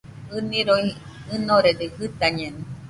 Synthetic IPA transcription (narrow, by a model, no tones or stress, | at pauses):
ɨniɾoi | ɨnoɾed̪ehɨt̪aɲeni